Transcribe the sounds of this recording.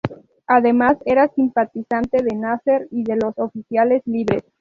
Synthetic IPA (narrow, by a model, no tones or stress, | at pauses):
aðe̞mase̞ɾasimpat̪isant̪e̞ðenaseɾiðe̞lo̞so̞fisjale̞zliβɾes